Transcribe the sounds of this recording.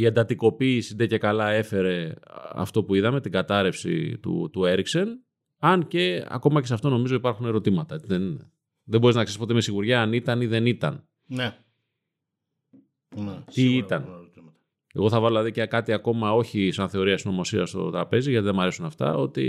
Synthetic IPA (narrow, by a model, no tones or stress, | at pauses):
iend̪ɐt̪iko̞piːsiðece̞kɐlɐe̞fe̞ɾe̞ɐ̰ft̪o̞puiðɐme̞t̪iɡɐt̪ɐɾe̞fsḭt̪ṵt̪ue̞ɾikse̞n | ɐnce̞ɐ̰ko̞mɐcesɐft̪o̞no̞mizo̞ipɐɾxune̞ɾo̞t̪imɐt̪ɐðen | ðebo̞ɾeznɐkseispo̞t̪eme̞siɣuɾʝɐːnit̪ɐniðe̞nit̪ɐ̰n | n | t̪iit̪ɐn | e̞ɣo̞θɐvɐðlɐðicekɐt̪iɐko̞mɐo̞çisɐnθe̞o̞ɾiɐsno̞mo̞siɾɐst̪o̞̰t̪ɾɐpe̞ziʝɐt̪iðemɐɾe̞sunɐft̪ɐ̰o̞t̪ḭ